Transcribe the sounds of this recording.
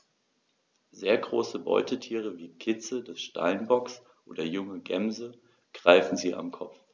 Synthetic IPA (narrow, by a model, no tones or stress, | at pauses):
zeːɐɡʁoːsəbɔ̰ʏtʰətʰiːʁ̞əviːkʰɪt͡sədɛsʃta̰lnbɔks | ʔoːdɐjʊŋəɡɛmzə | ɡ̥ʁ̥aɪfn̩ziːʔa̰mkʰɔp͡f